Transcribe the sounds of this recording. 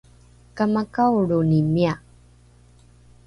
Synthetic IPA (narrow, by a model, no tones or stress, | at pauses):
kamakawɭunimia